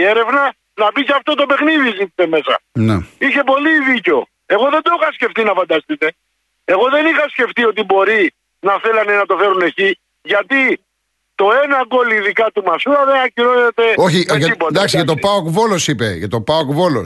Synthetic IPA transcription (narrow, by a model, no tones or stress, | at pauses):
eɾe̞vnɐ | nɐpiceɐft̪o̞t̪o̞pe̞xniðizit̪ise̞me̞sɐ̰nḛiçe̞po̞liðiceo̞ | e̞ɣo̞ðend̪oixɐsce̞ft̪inɐfɐnd̪ɐst̪it̪e̞ | e̞ɣo̞ðe̞nixɐsce̞ft̪io̞t̪ibo̞ɾi | nɐθe̞lɐne̞nɐt̪o̞fe̞ɾune̞ci | ʝɐt̪i | t̪o̞e̞nɐɡo̞liðikɐt̪umɐsuɐðenɐciɾonet̪e̞oçijɐipod̪ɐksiʝɐt̪opɐokvolosipeʝɐt̪opɐokvolo̰s